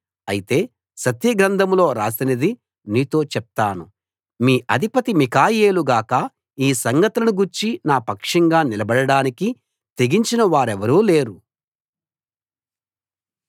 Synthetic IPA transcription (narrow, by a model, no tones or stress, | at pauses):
ɐjit̪e̞ː | sɐt̪jɐɡɾɐnd̪ʱɐmlo̞ːɾaːsinɐd̪i | niːt̪o̞ːt͡ʃɛp̚t̪aːnu | miːʔɐd̪ʱipɐt̪imikaːje̞ːluɡaːkɐ | iːsɐŋɡɐt̪ɐlɐnuɡuɾt͡ʃinaːpɐkʂɐŋɡaːnilɐbɐɽɐɽaːniki | t̪e̞ɡiɲt͡ʃinɐʋaːɾɛʋɐɾuːle̞ːɾu